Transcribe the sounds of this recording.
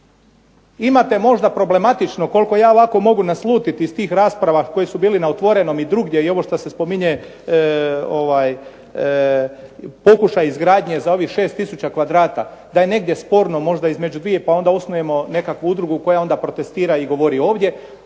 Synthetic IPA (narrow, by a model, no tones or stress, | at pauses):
imat̪e̞mo̞ʒd̪apɾo̞ble̞mat̪it͡ʃno̞ko̞lko̞jaːoʋako̞mo̞ɡunaslˠuːt̪it̪iːst̪iːxɾaːspɾaʋako̞jisubiːlinaot̪ʋo̞ɾe̞no̞mid̪ɾuɡje̞io̞ʋo̞ʃt̪asespo̞miɲe | o̞ʋaːj | po̞kuʃajizɡɾaːd̪ɲe̞zao̞ʋixʃe̞ːst̪isut͡ɕakʋad̪ɾaːt̪ad̪aje̞ne̞ɡd̪ʲjespo̞ɾno̞mo̞ʒd̪aizme̞d͡ʑud̪ʋije̞pao̞nd̪aosnoje̞mo̞ne̞kakʋuud̪ɾuɡuko̞jao̞nd̪apɾo̞t̪e̞st̪iːɾaiɡo̞ʋo̞ɾio̞ːʋd̪ʲje̞